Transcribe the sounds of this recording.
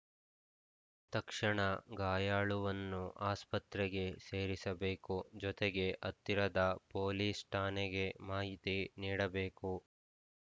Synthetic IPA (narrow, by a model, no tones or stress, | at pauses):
t̪ɐkʂɐɳɐɡaːjaːɭuʋɐnːuʔaːspɐt̪ɾɛɡe̞se̞ːɾisɐbe̞ːkud͡ʒɔt̪eɡe̞ʔɐt̪ːiɾɐd̪ɐpoːliːsʈʰaːneɡe̞maːɦit̪iniːɽɐbe̞ːku